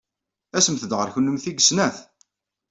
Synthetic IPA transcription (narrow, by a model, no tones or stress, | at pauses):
æsəmθəd̪ʁəɾçənːəmθiɡəsnæθ